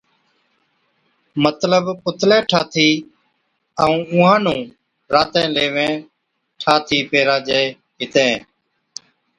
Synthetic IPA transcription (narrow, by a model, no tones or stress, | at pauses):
mət̪ləbpʊt̪lɛ̃ːʈʰaːt̪ʰiː | əũːʊ̃ːɦãːnũː | ɾaːt̪ɛ̃ːleːʋẽː | ʈʰaːt̪ʰiːpeːɾaːd͡ʒeː | ɦɪt̪ẽː